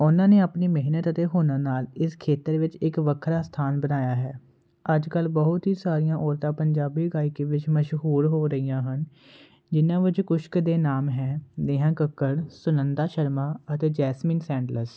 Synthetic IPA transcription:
ʊnãːneːaːpniːmɪɦnət̪ət̪eːɦoːnãːnaːlɪskʰeːt̪əɾʋɪt͡ʃɪkʋəkʰɾaːst̪ʰaːnbənaːjaːɦɛː | əd͡ʒkəlbəɦʊt̪ɦiːsaːɾijãːʔɔːɾt̪ãːpəɲd͡ʒaːbiːɡaːɪkeːʋɪt͡ʃməʃɦuːɾɦoːɾəijãːɦən | d͡ʒɪnãːʋɪt͡ʃkʊʃkd̪eːnaːmɦɛ̃ːd̪eːɦãːkəkːəɽsʊnənd̪aːʃəɾmaːət̪eːd͡ʒɛːsmĩːnsɛ̃ːɳɖləs

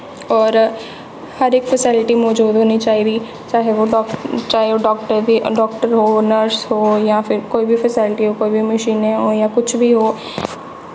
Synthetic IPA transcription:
ɔːɾ | həɾɪkpʰəsɪlɪʈiːmɔːd͡ʒuːd̪ɦoːniːt͡ʃaːiːd̪iː | t͡ʃaːɦeoːɖt͡ʃaːɦeoːɖɔːk̚ʈəɾd̪iːɖɔːk̚ʈəɾɦoːnəɾshoːjãːpʰɪɾkoːiːbiːpʰəsɪːlɪʈiːɦoːkoːiːbiːməʃiːneɦoːjãːkʊt͡ʃʰbiːɦoː

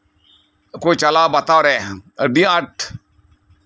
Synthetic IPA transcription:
kot͡ʃɐlaːbɐt̪aːɾeəɖiɐʈʰ

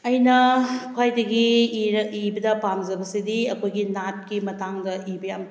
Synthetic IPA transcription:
ɐjnɐkʰwajdɐɡi | ibɐdɐpamd͡ʒɐbɐsidiɐkʰojɡinat̚kimɐtaŋdɐʔibɐjam

